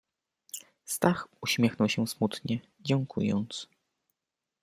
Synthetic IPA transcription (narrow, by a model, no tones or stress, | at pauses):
st̪axuɕmʲjɛxnɔwɕɛ̃smut̪ɲɛ | d͡ʑɛŋkʰṵjɔ̰nt̪s